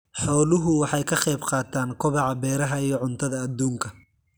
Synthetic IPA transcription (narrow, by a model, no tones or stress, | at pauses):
ħɔːlʊɦʊwɑħɑjkʰɐχɛjbqɑːt̪ʰaːŋkʰɔβɑʕɑbɛːɾɐɦɐijɔʕʊnt̪ʰɐðɐːd̪uːŋkʰɐ